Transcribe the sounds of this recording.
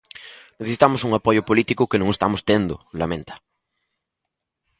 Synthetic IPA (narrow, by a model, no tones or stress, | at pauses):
neθesi̥t̪amosuŋapojʊpolit̪ikʊkenõŋest̪amost̪end̪ʊ̰lamẽnt̪ḁ